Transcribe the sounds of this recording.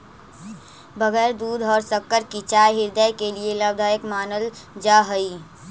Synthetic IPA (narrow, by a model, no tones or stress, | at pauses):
bʱəɡɛːɾd̪uːd̪ʱɔːɾsəkːəɾkit͡ʃaːjɦɪɾd̪əjkelieləb̚d̪ʱaːjəkmaːnəld͡ʒaːɦəi